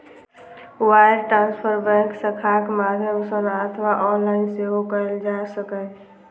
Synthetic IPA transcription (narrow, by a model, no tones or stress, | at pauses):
wajɾʈɾãnspʰəɾbɛ̃ŋksəkʰakmad̪ʱjəmsənət̪ʰwaʔɔnlaɪnseɦokəɾeld͡ʒasəkə